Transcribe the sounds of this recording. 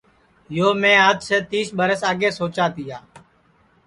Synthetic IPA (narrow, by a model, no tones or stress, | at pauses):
joːmẽːɦəd̪seːt̪iːsɓəɾəsaːɠeːsoːt͡ʃaːt̪iːjaː